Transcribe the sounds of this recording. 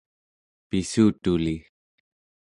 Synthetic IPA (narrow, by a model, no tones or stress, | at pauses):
pisuːt̪uli